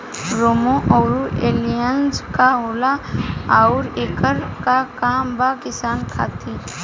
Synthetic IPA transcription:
ɾoːmõʔɔːɾueːlijənskaɦoːlaaʊɾeːkəɾkakaːmbakɪsaːnkʰa̰ːt̪iɾ

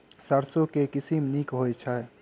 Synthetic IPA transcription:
saɾsõkekɪsimnikɦojt͡ʃʰaɛ

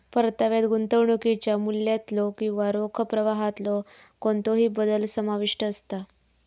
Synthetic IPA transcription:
pəɾt̪aʋjat̪ɡunt̪əʋɳuket͡ɕjamulːjat̪lɔkĩʋaɾokʰəpɾəʋaɦat̪lɔ | koɳt̪oɦiːbəd̪əlsəmaʋiʂʈəːst̪a

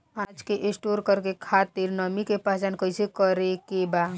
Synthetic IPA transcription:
ad͡ʒkeʔẽsʈoɾkəɾkekʰat̪iɾnəmikepad͡ʒankəɪsekəɾekeba

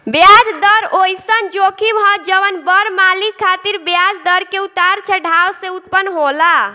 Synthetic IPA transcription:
bjad͡ʒd̪əɾojsənd͡ʒokʰibʱəd͡ʒəʋənbəɾmalikkʰːat̪iɾbjad͡ʒd̪əɾkeut̪aɾt͡ʃʰɛɖʱawsẽut̪pənɦola

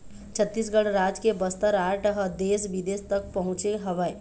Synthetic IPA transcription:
t͡ʃʰət̪ːiːs̬ɡəɽɾaːd͡ʒkebəst̪əɾaːɾʈəɦəd̪eːsʋɪd̪eːst̪ək̚pɐɦʊ̃t͡ʃeɦɐʋaːi

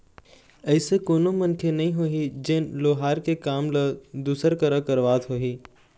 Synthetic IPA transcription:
əɪsekoːnomɐ̃nkʰjenɐɦĩɦoːɦid͡ʒenloːɦaːɾkekaːmləd̪uːsəɾkəɾəkɐɾʋaːt̪ɦoːɦiː

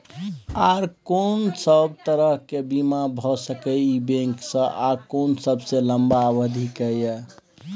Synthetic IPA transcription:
aɾkonsəb̚t̪əɾəɦkebimabʱɔsəkɛibẽŋksə̃ʔakonsəbseləmbabəd̪ʱikəjə

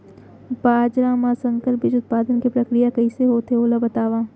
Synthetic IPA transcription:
baːd͡ʒɾaːmasɐ̃ŋkəlpɪd͡ʒʊt̪̚paːd̪ənkipɾɐkɾijakɐiseɦoːt̪ʰeoːlabɐt̪aːʋaː

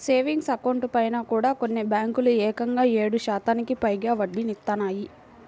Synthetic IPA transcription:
seːʋiŋɡsɐkɐwɳʈpɐjnaːkuːɽaːko̞nːebjaːŋkuluɛːkɐŋɡaːeːɽuʃaːt̪aːnikipɐjɡaːʋɐɖːinit̪ːɐnaːji

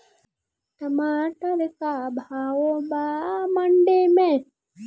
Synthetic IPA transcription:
t̪ɐmaːʈ̪ɐɾikabʱaːwobaːmɐɳɖeme

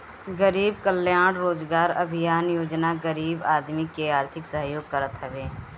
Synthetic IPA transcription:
ɡəɾiːbkəljaːɽɾoːd͡ʒɡaːɾɐ̰bʱɪjaːnjoːd͡ʒnaɡəɾiːbaːd̪mikeaːɾt̪ʰɪksəɦjoːɡ̚kəɾət̪ɦɛʋeː

